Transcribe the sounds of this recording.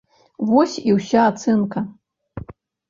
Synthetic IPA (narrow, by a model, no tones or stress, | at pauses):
vɔsʲiwsʲaːt̪sɛnkɐ